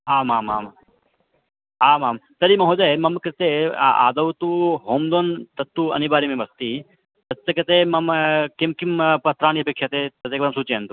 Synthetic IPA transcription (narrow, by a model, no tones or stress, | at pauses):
aːmaːmaːm | aːmaːmt̪ɐɾimɐɦoːd͡ʒamɐmkɾɪt̪ea̰ːd̪ɐwt̪uɦoːmd̪oːnt̪ɐt̪ːuɐ̰nibaːɾimẽbɐst̪iː | t̪ɐɐkɐt̪eːmɐmkimkimpɐt̪ɾaːɳiɐpeːkʂjɐt̪eːt̪ɐt̪eːk̚bɾɐmsut͡ʃeːnt̪u